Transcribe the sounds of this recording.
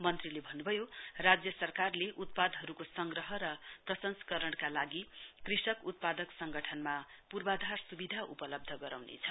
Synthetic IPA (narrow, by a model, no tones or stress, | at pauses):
mʌnt̪rilebʱʌnːubʱʌjorad͡zjʌsʌrkarleʔut̪̚pad̪ʱɦʌɾukosʌŋɡrʌɦʌɾʌprʌsʌnskʌɾʌɽkalaɡikrisʌkut̪̚pad̪ʌksʌŋɡʌʈʰʌnma | purbad̪ʱarsubid̪ʱaʔṵpʌlʌb̚d̪ʱʌɡʌɾawnḛt͡sʰʌ